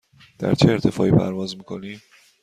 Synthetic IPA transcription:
d̪̥æ̰ɾt͡ʃʰeːɾt̪ʰe̞fɒ̰ːʔiːpʰæ̰ɾvɒːzmiːkʰo̞niːm

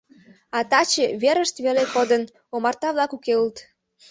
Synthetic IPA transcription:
ɑt̪ɑt͡ɕeβeɾəʃt̪βelekod̪ən | omɑrt̪ɑβlɑkukeult̪

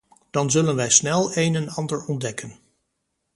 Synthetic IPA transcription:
d̥ɑnzɵlənʋɛjsnɛlˠejnɛnɑndəɹɔndɛkən

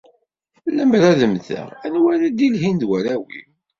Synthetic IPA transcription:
ləmɾæðəmθə̰ʁænwæɾæd̪ilɦind̪wæɾæwḭ

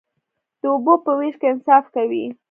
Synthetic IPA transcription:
d̪̥əubopəwiʃkeɪnsɑfkawi

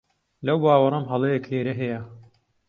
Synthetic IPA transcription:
lɐwbaːwɐɾˤɐmɦɐlˠejekheːɾɐɦɛjɐ

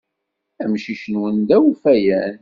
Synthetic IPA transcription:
æmʃiʃənwənd̪æwufæjæn

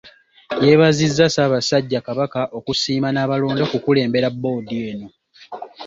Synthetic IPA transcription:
je̞ːβazizːasaːβasaɟːakaβakaʔo̞kusiːmanaːβalo̞ːndo̞kukule̞ːmbe̞ɾabːo̞ːdie̞ːno̞

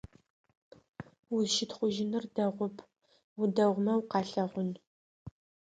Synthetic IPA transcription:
wʊʃɪtχʷʊʒɪnɨrdɐʁʷʊpʰ | wʊdɐʁʷmɐwqɑːɬɐʁʷʊn

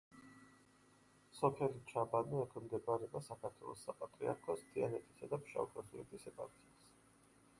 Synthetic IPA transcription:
sɔpʰɛlit͡ʃʰabaniɛkʰɛmd̪ɛbaɾɛbasakʰaɾt̪ʰwɛ̰lˠɔ̰sapʼat̪ʼɾia̰ɾkʰɔst̪ʰianɛt̪ʰi̥sad̪apʃa̰vukʰɔsuɛt̪ʰisɛpʼaɾk̪ʰias

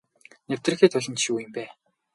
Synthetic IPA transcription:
new̥t̪rɘ̆xeːt̪ʰʊɮʲɞ̆nt͡ɕʃiuːjə̆mpæː

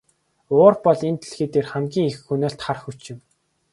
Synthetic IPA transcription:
ʊːrpɔɮent̪ɮxeːt̪eːrχæmɡʲiːŋexxunoːɬt̪χarxut͡ɕɪ̆m

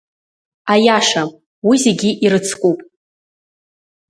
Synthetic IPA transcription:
ajaʂa | wizeɡʲiʔiɾɨt͡sʰkʷʼupʼ

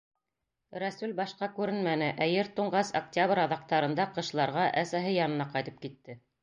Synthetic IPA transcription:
ɾæsʉlbɑʃqɑkʉɾɘnmænɘʔæjɘɾt̪uɴɢɑsɐk̚tʲaβɾɑðɑq̚t̪ɑɾɤ̆nd̪ɑqɤ̆ʃ̆lˠɑɾʁɑʔæsæɦɘjɑnɤ̆nɑqɑjt̪ɤ̥p̚kit̪ːɘ

